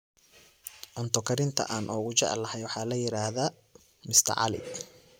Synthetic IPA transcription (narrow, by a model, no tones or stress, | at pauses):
ʔɔnt̪ʰɔkʰɐɾɪnt̪ʰɐ̰ʔaːnʔɔːɣʊt͡ʃɛ̰ʕɛ̰lːɐhɛjwɑħɑːlɐjɪɾaːðɐ | mɪst̪ʰɐ̰ʕɑ̰lɪ̰